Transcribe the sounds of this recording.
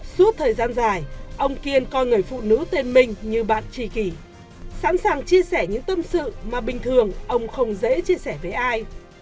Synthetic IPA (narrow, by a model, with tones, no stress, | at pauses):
su˦˥ət̚t̪ʰəː˨˩jzaː˧nzaː˨˩jʔə˧wŋ͡mki˧ənkɔ˧jŋɨ˨˩əjfṵ˧˨nɨ̰˧˥t̪e˧nmï˨˧˩ŋ̟ɲɨ˧ɓa̰ː˧˨nt͡ɕi˧˩ki˧˩ | sa̰˧˥nsaː˨˩ŋt͡ɕi˧əsɛ˧˩ɲɨ̰˧˥ŋt̪ə˧msɨ̰˧˨maː˨˩ɓï˨˩ŋ̟t̪ʰɨ˨˩əŋʔə˧wŋ͡mxə˧wŋ͡mzḛ˧˥t͡ɕi˧əsɛː˧˩ve˨˩ʔaː˧j